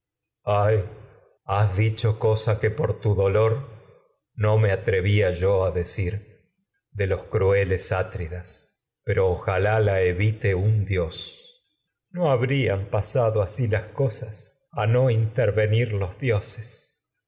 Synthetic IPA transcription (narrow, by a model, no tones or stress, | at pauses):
aj | azðit͡ʃo̞ko̞sakepoɾt̪uðo̞lo̞ɾ | no̞me̞at̪ɾe̞βiaʒoaðe̞siɾ | d̪e̞lo̞skɾue̞lesat̪ɾiðas | peɾo̞ːxalalaeβit̪e̞und̪jo̞s | noaβɾiampasaðoasilasko̞sas | ano̞int̪eɾβe̞niɾlo̞zðjo̞ses